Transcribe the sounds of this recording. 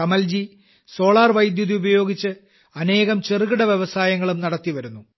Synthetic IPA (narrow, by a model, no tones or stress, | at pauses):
ɐmɐld͡ʑi | so̞ːɭaːrʋɐjd̪juðiubɐjo̞ːɡit͡ɕːɨ | ɐne̞ːɣɐmt͡ɕerɨɣɨɽɐʋjeʋɐsaːjɐŋːɐɭumnɐɽɐt̪ːiʋɐɾunːu